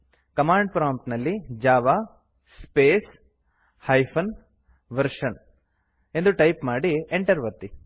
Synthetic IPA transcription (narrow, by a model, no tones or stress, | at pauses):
kɐmaːɳɖpɾaːmpt̪nɐlːid͡ʒaːʋaː | speːs | hɐjpʰɐn | ʋɐɾʂɐn | end̪uʈɐjpmaːɽieɳʈɐɾʋɐt̪ːi